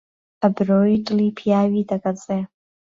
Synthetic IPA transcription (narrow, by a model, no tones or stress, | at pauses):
abroitʼlipʰjaɥitʰʼakʼat͡sʼe